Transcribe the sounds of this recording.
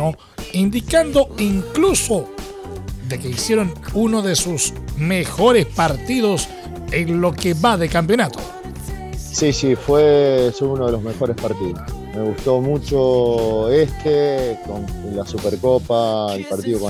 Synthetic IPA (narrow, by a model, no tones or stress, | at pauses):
o | ind̪ikand̪o̞iŋkluso | d̪ekeisjeɾonunoðesusmexo̞ɾespaɾt̪iðo̞s | eŋlo̞keβaðekamp̬jonat̪o̥ | sisifwesuunoðelozme̞xo̞ɾespaɾt̪iðosmeɣust̪o̞mut͡ʃo | est̪ʰekonlasupeɾkopaelpaɾt̪iðoko